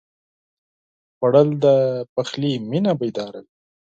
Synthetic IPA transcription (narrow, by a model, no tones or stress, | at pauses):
paɽəld̪əpaxliminabajd̪ɑɾəl